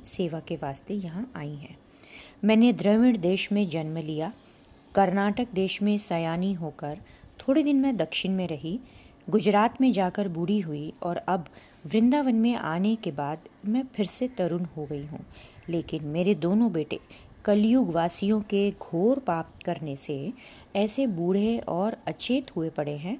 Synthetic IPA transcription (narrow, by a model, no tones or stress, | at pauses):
seːʋakeʋaːst̪ejɐɦãʔaːiɦɛ̰̃ː | mɛ̃ːned̪ɾəʋɪɽd̪eːʃmẽd͡ʒɐnməlija | kɐɾnaːʈək̚d̪eːʃmẽsɐjaːniɦoːkəɾt̪ʰoːɽid̪ɪnmɛ̃d̪ɐkʃɪnmẽɾɐɦi | ɡʊd͡ʒɾaːt̪mẽd͡ʒaːkəɾbʊɽiɦʊiɔːɾɐb | ʋɾɪ̃nd̪aːʋənmẽʔa̰ːnekebaːd̪mɛ̃pʰɪɾset̪ɐɾunɦoɡɐiɦṵ̃ːleːkɪnmeːɾed̪oːnõbeːʈḛ | kɐljuɡʋaːsijõkeɡʱoːɾpaːp̚t̪kɐɾnese | ɛːsebuːɽ̤eɔːɾɐt͡ʃɪːt̪ɦuepɐɽeɦɛ̃ː